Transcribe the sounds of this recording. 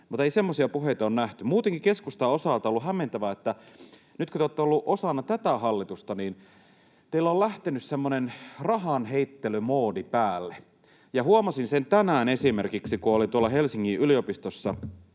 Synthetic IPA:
mut̪eisemːosiɑpuɦeit̪ɑoːnnæht̪ymuːt̪eŋkikeskust̪ɑosɑˑlt̪ɑolːuhɦæmːent̪æʋæet̪ːæ | nyt̪køt̪eoːt̪ːeolːuʔosɑnːɑt̪æt̪æɦɑlːit̪ust̪ɑniːn | t̪eilːæoːlæht̪enyssemːonenrɑɦɑnɦeit̪ːelymoːdipæːlːe | jɑhuɑmɑsinsent̪ænæːnesimerkiksikuolit̪uɑlːɑɦelsiŋːiʔyliopist̪osːɑ̰

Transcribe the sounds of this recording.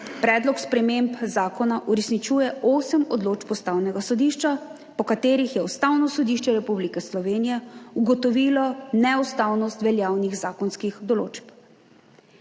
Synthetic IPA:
pɾɛːd̪lɔkspɾɛmempzaːkɔnaʔuɾɛsnit͡ʃuːjɛoːsəmɔd̪loːt͡ʃpɔst̪aːwnɛɡasɔd̪iːʃt͡ʃa | pɔkat̪eːɾixjɛust̪awnɔsɔd̪iːʃt͡ʃɛɾɛpublikɛslɔʋeːnijɛuɡɔt̪ɔʋiːlɔnɛust̪awnɔst̪ʋɛljaːwniɣzaːkɔnskixd̪ɔlo̰ːt͡ʃp

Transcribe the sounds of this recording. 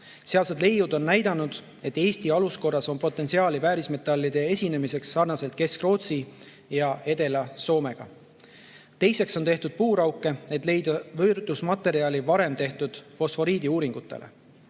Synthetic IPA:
seɑlsed̪le̞jːud̪o̞nːæjd̪̥ɑnud̪̥ | e̞t̪ːe̞ːst̪iɑlusko̞rːɑso̞npo̞t̪ːˑensiɑːlivæːɾisme̞t̪ːˑɑlːid̪̥e̞e̞sʲine̞mise̞ksːɑrnɑse̞lt̪̚ke̞skro̞ːt̪si | jɑe̞d̪̥e̞lɑso̞ːme̞ɡ̥ɑ̰ | t̪e̞jse̞kso̞nt̪e̞ht̪ud̪̥̚puːɾɑwkːˑe̞e̞t̪ːˑle̞jd̪ɑvɤrd̪̥usmɑt̪ːe̞ɾiɑlivɑɾe̞mt̪e̞ht̪ud̪̥fo̞sfo̞ɾiːd̪iuːɾiŋɡ̥ut̪ːˑe̞̰lʔḛ

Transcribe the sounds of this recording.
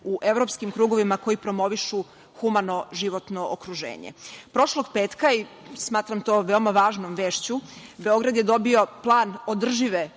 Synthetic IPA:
uʔe̞ʋɾo̞pskimkɾuːɡo̞ʋimako̞jipɾo̞mo̞ʋiʃu | xumano̞ʒiʋo̞t̪no̞ʔokɾuʒḛːɲḛpɾo̞ʃlˠo̞ɡpeːt̪kaismaːt̪ɾamt̪o̞ːʋe̞omaʋaːʒnomʋeːʃt͡ɕube̞o̞ɡɾad̪jed̪o̞bio̞plˠaːnod̪r̩ʒiʋe

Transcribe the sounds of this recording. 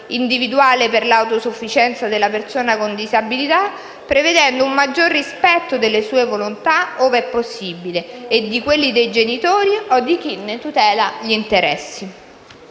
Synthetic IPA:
ind̪ivid̪uaːleperlawt̪osufːit͡ʃɛnt̪sad̪elːapersoːnakond̪izabilit̪a | pːɾeved̪ɛnd̪oummad͡ʒːorːispɛt̪ːod̪elːesuːevolont̪aoveɛpːosːibileed̪ːikwelːid̪ejd͡ʒenit̪oːɾiod̪ik̟inːet̪ut̪ɛːlaʎint̪eɾɛsːi

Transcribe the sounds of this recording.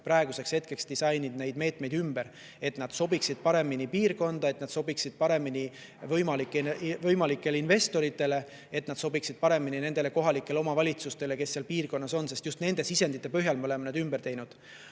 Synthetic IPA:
pɾɑeɡuse̞kshe̞t̪̚ke̞ksd̪isɑjnid̪ne̞jd̪me̞ːt̪me̞jd̪ymbeɾ | e̞t̪nɑd̪̥so̞biksid̪̥̚pɑɾe̞minipiːrko̞nd̪̥ɑe̞t̪nɑd̪̥so̞biksid̪̥̚pɑɾe̞mini | vɤjmɑlikːˑevɤjmɑlikːˑe̞leinve̞st̪o̞ɾit̪ːˑe̞le̞ | e̞t̪nɑd̪̥so̞biksid̪̥̚pɑɾe̞minine̞nd̪̥e̞le̞ko̞ɦɑlikːˑe̞leo̞mɑvɑlʲit̪sust̪e̞le̞ke̞sːeɑlpiːrko̞nːɑso̞nse̞st̪just̪ne̞nd̪̥e̞sise̞nd̪̥it̪ːˑe̞pøɦjɑlmeo̞lemenɑd̪ymb̥ert̪e̞jnud̪̥

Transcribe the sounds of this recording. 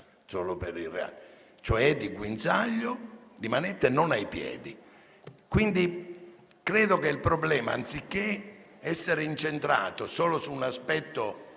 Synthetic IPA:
soːlopeɾirḛa̰ | t͡ʃoɛd̪iɡwint̪saʎːod̪imanɛt̪ːenonajpjɛ̰ːd̪i | kwind̪i | kɾɛːd̪okeilpɾɔblɛːma̰ːnt̪sikːe | ɛsːeɾeint͡ʃent̪ɾa̰ːt̪osɔːlosuːnaspɛt̪ːo

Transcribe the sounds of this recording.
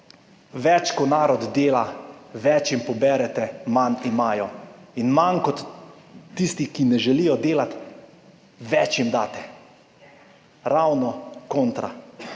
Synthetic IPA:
ʋɛt͡ʃkɔnaːɾɔd̪d̪eːlaʋɛt͡ʃjimpɔbɛɾɛt̪ɛmanimaːjɔinmankɔt̪ː | ist̪ikinɛʒɛlijɔd̪eːlat̪ | ʋɛt͡ʃjimd̪aːt̪ɛ | ɾawnɔkoːnt̪ɾa̰

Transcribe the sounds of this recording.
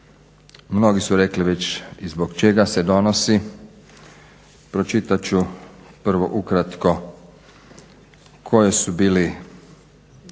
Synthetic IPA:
mno̞ɡisuɾekliʋet͡ɕizboɡt͡ʃeɡase̞d̪o̞nosi | pɾo̞t͡ʃit̪at͡ɕupr̩ʋo̞ʔukɾat̪ko̞ | kʰo̞jesubiːli

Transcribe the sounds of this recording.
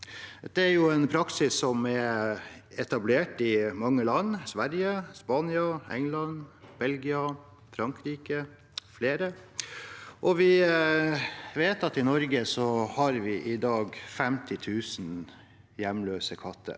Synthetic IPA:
d̪̥ɛæɾjʊɛnpʰɾɑksɪsːɔmɛ | ɛt̪ɑbleːʈɪmɑŋːəlɑnːsʋæɾjəspɑːnɪɑɛ̰ŋlɑnb̥ɛlɡɪɑ | fɾɑŋkɾiːkə | fleːɾə | ʔɔʋɪ | ʋeːt̪ɑt̪ɪnɔɾɡəsɔhɑɾʋɪʔɪd̪ɑːɡfɛmt̪ʰɪt̪ʰʉːsn | jɛmløːsəkʰɑt̪ʰːə̰

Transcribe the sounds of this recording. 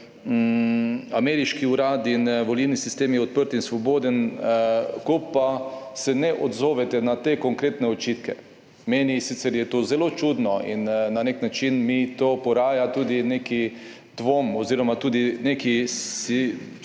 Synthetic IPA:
amɛɾiʃkiuɾaːd̪inʋolilnisist̪eːmjɛɔt̪̚pəɾt̪insʋɔboːd̪ən | kopasɛnɛʔod̪zoːʋɛt̪ɛnat̪eːkoŋkɾeːt̪nɛot͡ʃit̪kɛ | meːnisit̪sɛɾjɛt̪ozɛlot͡ʃud̪nɔḭnnaneknat͡ʃinmit̪oːpɔɾaːjat̪uːd̪ineki | d̪̥ʋomoziːɾɔmat̪uːd̪inekii

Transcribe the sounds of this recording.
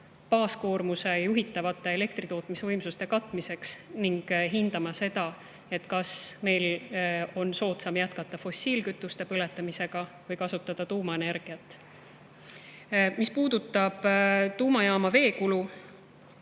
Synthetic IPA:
pɑːsko̞ːrmuse̞jjuɦit̪ːˑɑvɑt̪ːˑe̞ele̞kt̪rit̪o̞ːt̪ːˑmisevɤjmsust̪e̞kɑt̪ːˑmise̞ksniŋɡ̥ɦind̪̥ɑmɑse̞d̪̥ɑ | e̞t̪ːˑkɑsme̞jlo̞nso̞ːt̪sɑmjæt̪kɑt̪ˑːɑfo̞siːlkyt̪ːˑust̪e̞pɤle̞t̪ːˑɑmise̞ɡ̥ɑvɤjkɑsut̪ːˑɑd̪̥ɑt̪uːmɑe̞ne̞ɾɡ̥iɑt̪ːˑ | mispuːd̪̥ut̪ːˑɑb̥t̪uːmɑjɑːmɑve̞ːkulu

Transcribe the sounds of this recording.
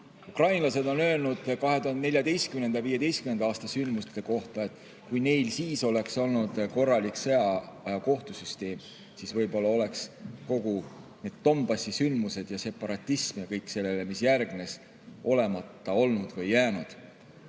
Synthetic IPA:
ukrɑjnlɑse̞d̪o̞nø̞ːlnud̪̥kɑɦe̞t̪uhɑnd̪ene̞lʲjɑd̪e̞jst̪kymne̞nd̪ɑviːje̞d̪e̞jst̪kymne̞nd̪ɑɑːst̪ɑsynd̪must̪e̞ko̞ht̪ɑe̞t̪ːˑ | kujne̞jlsiːso̞le̞kso̞lnud̪̥ko̞rːɑliksejɑɑjɑko̞ht̪usyst̪e̞ːm | sisvɤjbo̞lːɑo̞le̞ksko̞ɡ̥une̞ːd̪̥t̪ːo̞mbɑsisynd̪muse̞d̪̥jɑse̞pːɑɾɑt̪ʲːˑismjɑkɤjkːˑse̞lːele̞misjærɡne̞s | ʔo̞le̞mɑt̪ːɑo̞lnud̪̥vɤjːæːnud̪̥

